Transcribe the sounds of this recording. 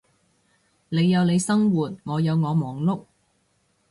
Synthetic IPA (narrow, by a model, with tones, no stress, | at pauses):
le˨˧jːɐ˨˧wne˨˧jsɐ˥ŋwuː˨t̚ŋɔː˨˧jɐ˨˧wŋɔː˨˧mɔː˨ŋlʊ˥k̚